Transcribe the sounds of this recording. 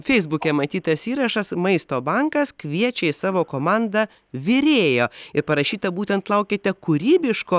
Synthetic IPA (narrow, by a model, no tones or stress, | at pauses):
fʲɛɪzbʊkʲɛmɐt̪ʲiːt̪ɐsiːɾɐʃɐsmɐɪst̪oːbɐŋkɐskʋʲiɛt͡ʃʲɛɪsɑːʋoːkoːmɑnd̪ɐ | ʋʲɪɾʲeːjoːɪɾpɐɾɐʃʲiːt̪ɐbuːt̪ʲɛnt̪lˠɐʊkʲɪt̪ʲɛkʊɾʲiːbʲɪʃkoː